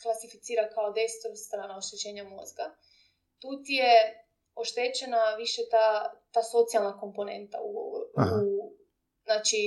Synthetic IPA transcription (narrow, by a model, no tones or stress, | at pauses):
klˠasifit̪siːɾakaod̪ejst̪oɾst̪ɾaːnao̞ʃt̪et͡ɕe̞ːɲamo̞̰zɡa | t̪uːt̪ije | oʃt̪e̞ːt͡ɕenaʋiʃet̪at̪aːso̞t̪sialˠnako̞mpo̞ne̞̰nt̪a̰uɡo̰ɾu | znaːt͡ʃi